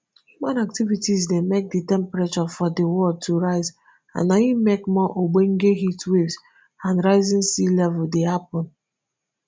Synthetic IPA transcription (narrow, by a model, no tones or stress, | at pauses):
hjumãnak̚tivitizdemek̚ditɛ̃mpɹɛt͡ʃɔfɔdewɔld̚tʰuɹaɪz | ã̰nːajimekmɔʔoɡ͡bẽŋɡeɦitwevz | ãnɹaɪzĩnsilɛvuldehap̚ɔ̃n